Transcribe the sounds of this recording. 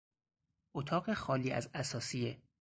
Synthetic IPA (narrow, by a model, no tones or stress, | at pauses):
ʔot̪ʰɒːɢexɒːliːæ̰zæsɒːsie